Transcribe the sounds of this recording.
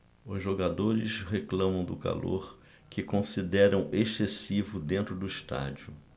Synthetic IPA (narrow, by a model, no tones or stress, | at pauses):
ʊzʒoɡad̪oɾɪsɦeklɐ̃mɐ̃w̃d̪ʊka̰lo̰ɾ | kɪkõsid̪ɛɾɐ̃w̃ʔesesivʊd̪ẽnt̪ɾʊd̪ʊiʃt̪a̰d͡ʒiʊ